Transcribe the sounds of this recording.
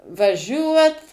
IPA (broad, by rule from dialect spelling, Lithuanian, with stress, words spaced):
ʋɐˈʒʲuɔt